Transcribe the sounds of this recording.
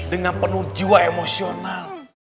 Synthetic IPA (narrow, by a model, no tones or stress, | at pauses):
dəŋanpənud͡ʒiwaemosional